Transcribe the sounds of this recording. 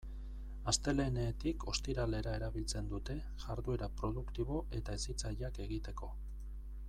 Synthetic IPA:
ast̪e̞le̞neːt̪iko̞st̪iɾale̞ɾae̞ɾaβilt͡se̞nd̪ut̪e̞ | ʝaɾðue̞ɾapɾo̞ðukt̪iβ̞o̞ʔe̞t̪aesit͡saʎake̞ɣit̪e̞ko̞

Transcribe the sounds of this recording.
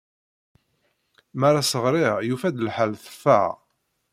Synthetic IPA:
maɾasəʁɾɪʁjufæd̪əlħəlθə̥fːa̰ʁ

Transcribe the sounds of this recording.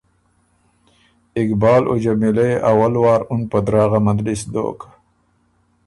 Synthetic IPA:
ɪkbɑːlʔo̰d͡ʒamilaeʔawalwɑːɾʊnpəd̪ɾɑːɣamad̪ɾisd̪o̰ːk

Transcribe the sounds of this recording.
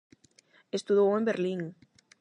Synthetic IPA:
est̪uðowẽmbeɾliŋ

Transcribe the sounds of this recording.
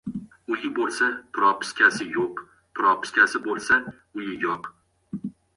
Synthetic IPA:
ʊjɪbolˠsapʰɪɾɒpʰɪ̥skʲʰasɪjoq | pʰʊɾɒpʰɪ̥skʲasɪbolˠsa | ʊjɪjɒq

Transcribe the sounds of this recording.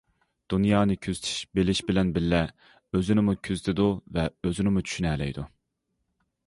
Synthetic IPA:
d̪̥unjɑːnɨkʲʰyzt̪ʰɪ̥ʃbelɪʃbɪlɛnbɪlːɛ | øzynɪmukʲʰyzt̪ʰɪd̪uvɛøzynɪmut͡ʃʰy̥ʃynɛːlɛ̰jd̪u

